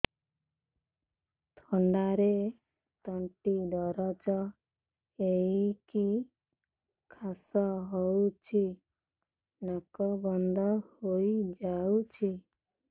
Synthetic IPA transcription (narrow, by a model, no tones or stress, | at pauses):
t̪ʰɔɳɖaɾe | t̪ɔɳʈid̪ɔɾɔt͡ʃɔ | eiki | kʰasɔɦɔwt͡ʃʰi | nɔkɔbɔnd̪ʱɔhoid͡ʒaut͡ʃʰi